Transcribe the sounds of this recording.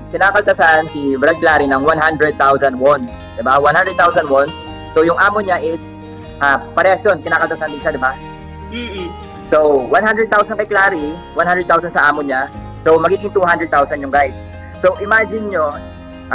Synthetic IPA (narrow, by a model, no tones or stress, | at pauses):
kɪnaːkɐlt̪ɐsansɪbɾɐɡlaːɾinɐŋwanɦand̪ɾɛd̪̚t̪awsɐnd̪won | d̪ɪbawanhand̪ɾɛd̪̚t̪awsɐnwon | sowjʊŋʔaːmoɲaʔɪs | ʔaːpɐɾɛɐsjonkɪnaːkɐlt̪ɐsand̪ɪŋʃad̪ɪba | sowwanhandɾɛd̪̚t̪awsɐnkɐjklaːɾiwãnhand̪ɾɛd̪̚t̪awsɐnsɐʔaːmoɲa | sowmɐɡiːɡɪŋt̪uɦand̪ɾɛd̪̚t̪awsɐnjʊŋɡajsː | owʔɪmaːd͡ʒɪnɲo | ʔ